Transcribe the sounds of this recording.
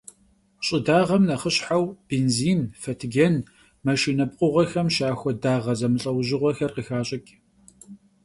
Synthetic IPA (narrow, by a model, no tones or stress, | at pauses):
ɕʼɪdaːʁɐmnɐχəɕħawb̥eːnziːnfɐtʰɡɐn | mɐʃiːnɐb̚qʷʼʊʁʷɐxɐmʃaːxʷɔdaːʁɐzɐmɨɬʼɐwʑɪʁʷɔxɐrqəxaːɕʼɪkʲʼ